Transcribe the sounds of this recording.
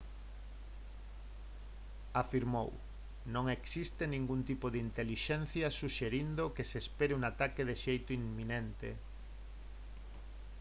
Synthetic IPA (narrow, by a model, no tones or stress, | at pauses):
afiɾmo̰w | nõŋeksist̪enĩŋɡunt̪ipoðeint̪eliʃɛn̟θjɐsuʃeɾind̪okesespeɾeuŋat̪akeðeʃejt̪oiŋminent̪ḛ